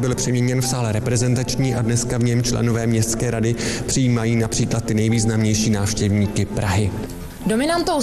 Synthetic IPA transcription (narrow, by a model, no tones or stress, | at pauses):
bɪlpr̥ɛmɲɛɲɛnfsaːlɛɾɛpɾɛzɛnt̪at͡ʃɲiːʔadnɛskavɲɛmt͡ʃlɛ̰no̞vɛːmɲɛst̪skɛːɾadɪpr̥ɪjiːmajiːnapr̥iːklat̪ːɪnɛjviːznamɲɛjʃiːnaːfʃcɛvɲiːkɪpɾaɦɪ | do̞mɪnant̪ow